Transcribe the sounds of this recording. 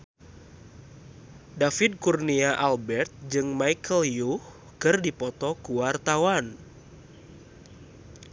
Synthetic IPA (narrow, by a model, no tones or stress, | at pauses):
dafid̚kurniaʔalbɛrt̪̚d͡ʒɨŋmajkəljuh | kɨrdipɔt̪ɔkuwart̪awan